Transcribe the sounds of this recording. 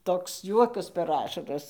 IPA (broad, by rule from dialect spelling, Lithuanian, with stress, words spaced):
toːks ˈjuɔkɐs pʲɛr ˈɑːʃɐrɐs